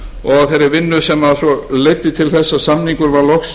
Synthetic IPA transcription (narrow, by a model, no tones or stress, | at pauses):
ɔɣθejɾɪɾvɪnːʏsɛmːasɔlejt̪ːɪt̪ʰɪlθɛsːasamniŋkʏɾvaɾlɔxs